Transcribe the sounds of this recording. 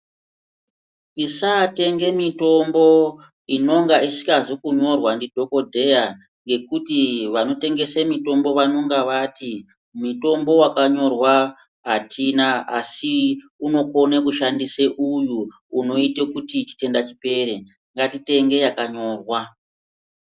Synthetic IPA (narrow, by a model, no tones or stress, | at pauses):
isate̞ŋɡe̞mito̞mbo̞ | ino̞ŋɡaisi̥kazokuɲo̞rwandidʱo̞ko̞dʱe̞ja | ŋɡe̞kutiʋano̞te̞ŋɡe̞semito̞mbo̞ʋano̞ŋɡaʋati | mito̞mbo̞wakaɲo̞rwa | ɦatʰinaa̰si | uno̞ko̞nekuʃandiseʔujuː | no̞itekutit͡ʃi̥te̞ndat͡ʃipe̞ɾe | ŋɡatite̞ŋɡe̞jakaɲo̞ːrwa